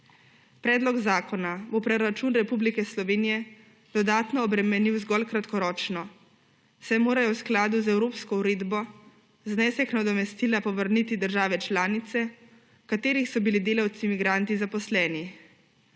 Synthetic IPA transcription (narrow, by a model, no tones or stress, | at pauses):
pɾɛːd̪lɔɡzaːkɔnabopɾɔɾat͡ʃuːnɾɛpublikɛslɔʋeːnijɛ | d̪̥ɔd̪aːt̪nɔːbɾɛmɛniwzɡɔlkɾat̪kɔɾɔːt͡ʃnɔ | sɛjmoːɾajɔwsklaːd̪uzɛwɾoːpskɔuɾeːd̪bɔ | znɛːsɛknad̪ɔmɛst̪iːlapɔʋəɾnit̪id̪əɾʒaːʋɛt͡ʃlaːnit̪sɛ | kat̪eːɾixsɔbilid̪eːlawt̪simiɡɾaːnt̪izapɔslɛːni